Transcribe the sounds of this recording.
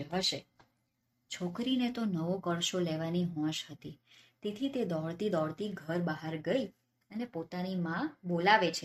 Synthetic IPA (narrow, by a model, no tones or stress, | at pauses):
ɦəʃe | t͡ʃʰokɾinet̪onəʋokəɭʃoleʋaniɦɔ̃ʃɦət̪it̪et̪ʰit̪ed̪ɔɭt̪id̪ɔɽt̪iɡʱəɾbəɦaɾɡəi | ənepot̪animãbolaʋet͡ʃʰe